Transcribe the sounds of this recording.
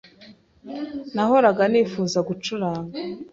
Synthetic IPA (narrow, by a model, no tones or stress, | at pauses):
naho̞ɾaɡaniːfuːzaɡut͡ʃuɾaːŋɡa